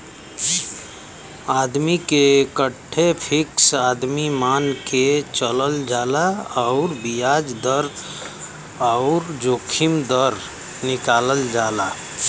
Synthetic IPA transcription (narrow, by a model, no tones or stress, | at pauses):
aːd̪mikekəʈʰːepʰɪksaːd̪mimaːnket͡ʃələld͡ʒaːlaɔʊɾbijaːd͡ʒd̪əɾ | ɔʊɾd͡ʒoːkʰɪmd̪əɾ | nɪkaːləld͡ʒaːlaː